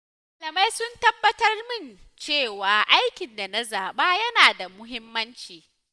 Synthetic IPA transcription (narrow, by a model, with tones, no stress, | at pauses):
ma˨lɐ˨ma˦jsʊ˦ntɐ˦bːɐ˦tɐ˦rmɪ˦˨nt͡ʃeː˦˨waː˨ʔa˦jkʲɪ˨nda˨na˦zaː˨ɓaː˦jɐ˦naː˨da˨mʊ˦ɦɪ˦mːɐ˦nt͡ʃiː˨